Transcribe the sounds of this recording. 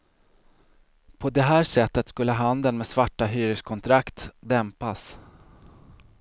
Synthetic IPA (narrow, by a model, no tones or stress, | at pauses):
pʰɔd̪ɛɦæːʂɛt̪ːət̪skɵlːəɦand̪ənmeːsvaʈːaɦyːɾəʂkʰɔnt̪ʰɾakt̪d̪ɛmpas